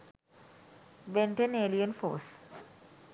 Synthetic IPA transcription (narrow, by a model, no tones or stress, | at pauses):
ʋẽɳʈeneːlijənfo̰ːs